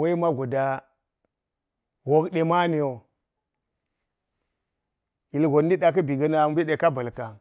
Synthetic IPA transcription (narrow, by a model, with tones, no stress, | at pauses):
wa˦i˦ma˦ɡʷo˨da˨ | wo˦kɗe˨ma˦ne˨jo˨ | i˨lɡo˨n˦di˦ɗa˨k̬i˦bi˨ɡa˦na˨m˦bi˦ɗe˨ka˦bə˨lka˨